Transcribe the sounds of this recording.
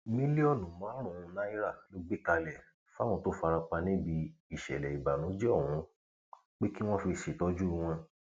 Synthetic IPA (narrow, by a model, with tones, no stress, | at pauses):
mĩ˦le˦ɔ˦˨nũ˨mã˨˦ɾ̃ũ˨ũ˧nã˦i˦ɾa˦˨lo˦ɡ͡be˦ka˧lɛ˨ | fa˦w̃ɔ̃˧to˦fa˧ɾa˧k͡pa˧nĩ˦bi˧i˦˨ʃɛ̰˨lɛ˨i˨ba˨nũ˨˦d͡ʒɛ˦ɔ˦˨hũ˨˦ | k͡pe˦ki˦w̃ɔ̃˦fi˧˨ʃi˨tɔ˨˦d͡ʒu˦˧w̃ɔ̃˧